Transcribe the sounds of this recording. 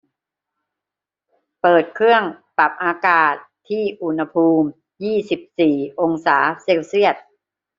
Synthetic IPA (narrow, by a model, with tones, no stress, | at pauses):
pɤː˨˩t̪̚kʰɾɯ˥˩əŋpa˨˩p̚ʔaː˧kaː˨˩t̪ʰːiː˥˩ʔu˨˧˩nha˧pʰuː˧m | jiː˥˩si˨˩p̚siː˨˩ʔo˧ŋsaː˩˦seː˧wsi˥˩ət̪̚